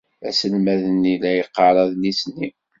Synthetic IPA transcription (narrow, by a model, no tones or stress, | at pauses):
æsəlmæðənːilæjəqːɑɾˤɑðnisnːi